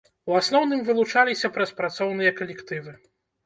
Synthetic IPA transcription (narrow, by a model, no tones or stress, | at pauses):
uasnɔwnɨmvɨlˠut͡ʂalʲisʲɐpɾɐspɾat̪sɔwn̪ɨjɐkɐlʲɛkt̪ɨvɨ